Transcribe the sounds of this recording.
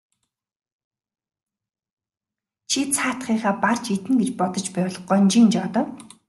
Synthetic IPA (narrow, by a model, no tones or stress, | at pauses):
t͡ɕʰit͡sʰaːt̪χiːχaːpart͡ɕit̪ɘ̆ŋɡet͡ɕpɔt̪ɞ̆t͡ɕpæːw̆ɮɞ̆χɢɔːnt͡ɕint͡ɕɔt̪ə̆w